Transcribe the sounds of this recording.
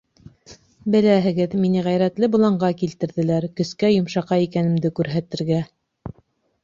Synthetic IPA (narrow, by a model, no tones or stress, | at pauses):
bɘ̆læɦɘ̆ɡɘðminɘʁæjɾæt̪lɘbŭlˠɑɴɢɑkilt̪ɘ̆ɾðɘ̆læɾkɵ̆skæjŏmʃɑqɑikænɘ̆md̪ɘkʉɾɦæt̪ɘ̆ɾɡæ